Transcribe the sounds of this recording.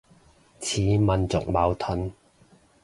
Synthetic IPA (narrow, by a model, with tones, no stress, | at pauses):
t͡sʰiː˨˥mɐ˨nt͡sʊ̰˨k̚mɐː˨˧wt̪ʰɵ˧˥n